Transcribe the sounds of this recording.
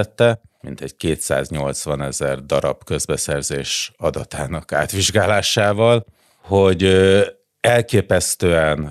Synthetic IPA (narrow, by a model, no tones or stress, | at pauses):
ɛt̪ːɛmḭnt̪ɛɟkeːt̪sa̰ːzɲo̞lt̪sʋɒnɛzɛrd̪ɒɾɒ̰bkø̞zbɛsɛrzeːʃɒd̪ɒt̪aːnɒka̰ːt̪ʋiʒɡaːlaːʃaːvɒl | hoɟ | ɛlkeːpɛst̪øːɛn